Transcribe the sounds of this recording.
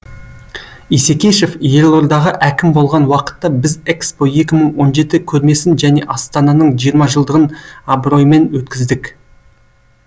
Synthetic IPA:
ise̞kʲe̞ʃe̞fje̞lˠo̞ɾd̪ɑʁəʔækʲɪmbo̞lˠʁɑnwɑqə̥t̪ːɑbɪzekspo̞je̞kʲɪməɴwo̞nʒe̞t̪ɪkʲʰɵɾme̞sɪnʒæne̞ʔɑst̪ɑnɑnəɴʒijəɾmɑʒəlˠd̪əʁənɑbɾo̞jme̞nwɵt̪̚kʲɪzd̪ɪk

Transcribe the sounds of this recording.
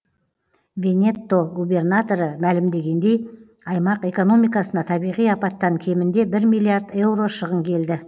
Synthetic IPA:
vʲe̞nʲe̞t̪ːo̞ɡube̞rnat̪o̞ɾəmælɪmd̪e̞ɡʲe̞nd̪e̞j | ɑjmɑqe̞ko̞no̞mijkɑsənɑt̪ʰɑbijʁijɑpɑt̪ːɑŋkʲʰe̞mɪnd̪e̞bɪɾmʲijlːiaɾd̪e̞wro̞ʃəʁəmkʲʰe̞ld̪ɪ

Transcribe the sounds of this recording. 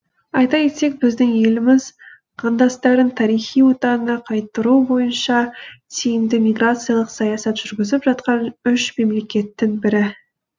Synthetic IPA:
ɑjt̪ɑjet̪e̞k̚bɪzd̪ɪŋje̞lɪmɪz | qʰɑnd̪ɑst̪ɑɾənt̪ʰɑɾijχijwo̞t̪ɑnənɑqʰɑjt̪ːəɾubo̞jənʃɑt̪ʰejɪmd̪ɪmʲijɡrat̪sɨjɑlˠəqsɑjɑsɑt̪ʒ̥ʏɾɡʲɪzɪpʒɑt̪qɑnʏʃme̞mle̞kʲe̞t̪ːɪŋbɪɾɪ

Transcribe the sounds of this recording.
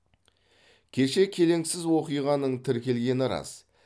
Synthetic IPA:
kʲʰe̞ʃe̞kʲʰe̞le̞ŋsɪzwo̞qijʁɑnəɴt̪ʰɪɾkʲe̞lɡʲe̞nɪɾɑ̰s

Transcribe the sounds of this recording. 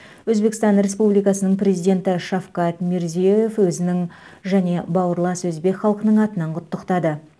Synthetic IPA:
wɵzbe̞kst̪ɑnɾe̞spublijkɑsənəɴpre̞zijd̪ʲe̞nt̪ɪʃɑfqɑt̪meɾzijejefwɵzɪnɪŋ | ʒæne̞bɑwəɾlˠɑswɵzbe̞kʲχɑlˠqənəɴɑt̪ənɑɴqʰʊt̪ːəqt̪ɑd̪ə

